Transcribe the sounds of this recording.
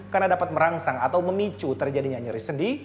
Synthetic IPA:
karnadapat̪̚məɾaŋsaŋat̪awməmit͡ʃut̪ərd͡ʒadiɲaɲəɾisəndi

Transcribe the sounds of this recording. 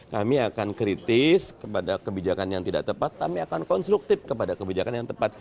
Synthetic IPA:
kamiakankɾit̪ɪskəpadakəbid͡ʒakanjaŋt̪ida̰ʔt̪əpat̪ːampiakankɔnst̪ɾuk̚t̪ɪfkəpadakəbid͡ʒakanjaŋt̪əpat̪̚

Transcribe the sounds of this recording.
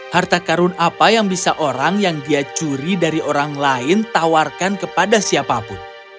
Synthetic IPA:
hart̪akaɾʊnapajaŋbisaʔoɾaŋjaŋdiat͡ʃuɾidaɾioɾaŋlaɪnt̪awarkankəpadasiapapʊn

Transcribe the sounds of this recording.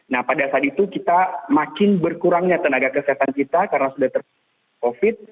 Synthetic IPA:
nahpadasaat̪̚it̪ukit̪amakɪnbərkuɾaŋɲat̪ənaɡakəsiɦat̪ankit̪akarənasudaht̪ər | kofɪt̪̚

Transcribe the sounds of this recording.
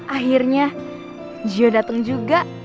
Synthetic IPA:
ʔaɦirɲa | d͡ʒiodat̪aŋd͡ʒuɡaʔ

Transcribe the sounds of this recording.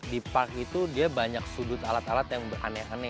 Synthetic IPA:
dipark̚it̪udiabaɲak̚sudʊt̪alat̪alat̪jaŋbəra̰nɛanɛ

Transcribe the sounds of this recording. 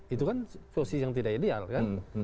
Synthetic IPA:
it̪ukansosijaŋt̪idaʔidea̰lkan

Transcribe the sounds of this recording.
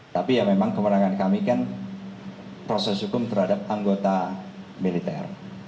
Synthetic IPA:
t̪apijamemaŋkəməɾaŋankamikan | pɾosɛsɦukʊmt̪əɾhadap̚aŋɡot̪a | milit̪ɛ̰r

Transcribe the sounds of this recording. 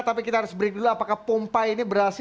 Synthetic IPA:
t̪apikit̪aɦaɾʊsbəɾik̚duluapakahpompainibəɾas

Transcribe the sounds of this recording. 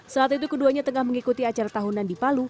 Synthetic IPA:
səaat̪it̪̬ukəduaɲat̪əŋahməŋikut̪iat͡ʃaɾat̪aɦunandipalu

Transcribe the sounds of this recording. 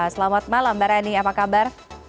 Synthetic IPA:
səlamat̪̚malambaɾaniapakabar

